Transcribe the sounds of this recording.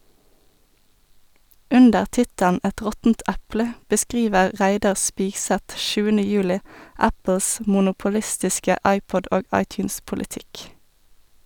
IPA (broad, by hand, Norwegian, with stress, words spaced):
ˈʉndəʁ ˈtɪtəln ˈʔæt ˈʁɔtn̩t ˈʔæplə bəˈskʁiːʋəʁ ˈʁæɪdɑʁ ˈspiːɡˌsɛt ˈʃʉːənə ˈjʉːlɪ ˈæpl̩s mʊnʊpʊˈlɪstɪskə ˈʔɑɪˌpɔd ˈʔoːɡ ˈʔɑɪˌtjʉːnspʊlɪˌtɪk